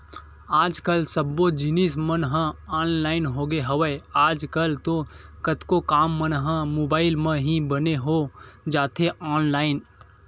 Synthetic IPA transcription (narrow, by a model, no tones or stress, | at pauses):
aːd͡ʒkəlsəbːod͡ʒɪnismənɦə̃aːnlaːɪnɦoːɡeɦəʋəaːd͡ʒkəlt̪okət̪kokaːmːənɦə̃moːbaːɪlmə̃ɦĩbəneɦod͡ʒaːt̪ʰeʔaːnlaːɪn